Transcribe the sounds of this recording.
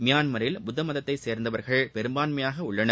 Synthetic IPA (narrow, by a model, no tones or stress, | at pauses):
mɪjaːnmɐɾɪlbʊðːɐmɐðɐt̪ːɐɪseːɾnd̪ɐʋɐɾɣɐɭpɛɾɯmbaːnmɐjaːɣɐʊɭːɐnɐ